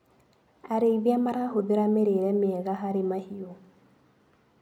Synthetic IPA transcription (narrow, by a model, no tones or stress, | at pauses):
aɾeiβiamaɾaɦoðeɾameɾeɾɛmeɛɣaɦaɾemahiɔ